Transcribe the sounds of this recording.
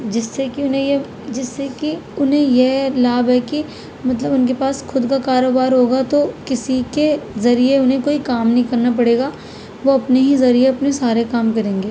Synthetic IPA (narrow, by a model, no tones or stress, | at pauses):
d͡ʒɪsːekiʊnɦẽje | d͡ʒɪsːekiʊnɦẽjelaːbɦɛki | mɐt̪̬ləbʊnkepaːsxʊd̪kakaːɾoːbaːɾɦoːɡat̪okɪsikezɐɾieʊnɦẽkoːikaːmnɐɦĩkɐɾnap̬ɐɽeːɡaː | ʋoɐpneɦizɐɾieɐpnesaːɾekaːmkɐɾẽːŋɡeː